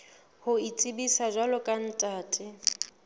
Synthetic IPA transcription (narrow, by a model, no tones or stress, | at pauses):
hʊit͡sʼɪbisaʒwalɔkʼan̩tʼaːtʼɪ